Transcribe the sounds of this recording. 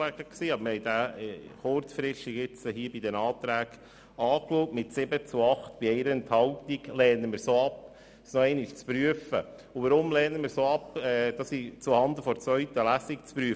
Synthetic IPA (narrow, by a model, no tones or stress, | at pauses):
lɛɡəksiːɑbməhɛɪd̪æhɔːɾtfɾɪʃiɡɪt͡shiːbid̪ɛnɑːt̪ɾæːɡ̥ | ɑːkloːtmɪtsɪbət͡suɑχt̪b̥iɛɪɾəɛnt̪hɑltiɡlɛːnəməɾsoːɑp | snɔɛɪnɪʃt͡spɾyəfə̰ | ʊʋəɾʊmlɛːnəməɾsoːɑpɛːd̥̪ɑsit͡suhɑnd̪əfɔɾt͡svœɥt̪əlæsikt͡spɾyə